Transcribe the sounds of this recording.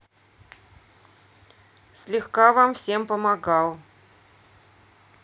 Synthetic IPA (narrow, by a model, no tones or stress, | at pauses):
sʲlʲɪxkavamfsʲe̞mpəmɐɡɑlˠ